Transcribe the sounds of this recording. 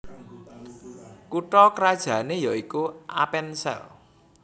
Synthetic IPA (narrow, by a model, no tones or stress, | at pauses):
kuʈɔkəɾad̥ʒ̥a̤nejɔikuʔa̰pɛnsɛ̰l